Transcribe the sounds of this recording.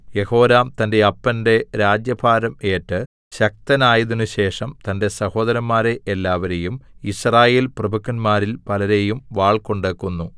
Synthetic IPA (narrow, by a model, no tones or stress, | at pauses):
je̞ho̞ːɾaːmt̪ɐnde̞ɐpːɐnde̞ɾaːd͡ʑjɐbʰʱaːɾɐme̞ːʈːɨ | ɕɐk̚t̪ɐnaːjiðunːuɕe̞ːʂɐmt̪ɐnde̞sɐho̞ːd̪ɐɾɐmːaːɾe̞ʔːlːaːʋɐɾe̞jumisraːje̞ːlprɐbʱukːɐnmaːɾilpɐlɐɾe̞jumʋaːɭko̞ɳɖeːkːunːu